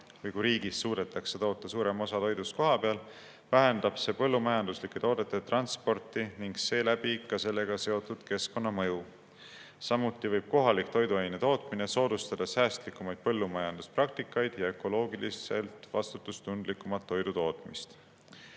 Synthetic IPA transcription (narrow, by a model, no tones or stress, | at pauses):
vɤjkujɾiːɡisːuːd̪e̞t̪ːˑɑkset̪o̞ːt̪ːˑɑsuːɾe̞mo̞sɑt̪o̞jd̪̥usko̞ɦɑpeɑl | væɦend̪̥ɑb̥se̞ːpɤlːumɑjɑnd̪uslikːˑe̞t̪oːd̪̥e̞t̪ːˑet̪rɑnspo̞rt̪ˑiniŋɡse̞ːlæb̥ikɑse̞lːe̞ɡ̥ɑse̞o̞t̪ːˑud̪̥ke̞sko̞nːɑmɤju | sɑmut̪ːˑivɤjb̥̚ko̞ɦɑlikt̪o̞jd̪uejnet̪o̞ːt̪mine̞so̞ːd̪̥ust̪ɑd̪̥ɑsæːst̪likːumɑjd̪̥̚pɤ̞lːumɑjɑnd̪̥usprɑk̚t̪ikːˑɑjd̪̥jɑe̞ko̞lo̞ːɡilise̞̰lt̪ˑvɑst̪ut̪ːˑust̪und̪̥likːˑumɑt̪ːo̞jd̪ut̪o̞ːt̪ˑmist̪